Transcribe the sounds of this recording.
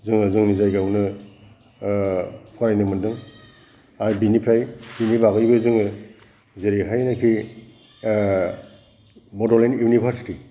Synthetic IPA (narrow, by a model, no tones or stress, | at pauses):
zɯŋɯzuŋnizajɡawnɯ | kʰaɾajnɯmɯndɯŋ | ajbinipʰɾajbinibaɡɯjbɯzɯŋɯ | zeɾiɦajnakʰi | bɔdɔlenjunibʰʱaɾsi̥ti